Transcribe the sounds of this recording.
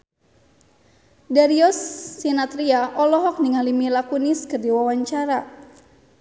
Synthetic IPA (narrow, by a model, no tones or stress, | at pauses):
daɾiɔsːinat̪ɾiaʔɔlɔɦɔk̚niŋalimilakuniskərdiwawaɲt͡ʃaɾa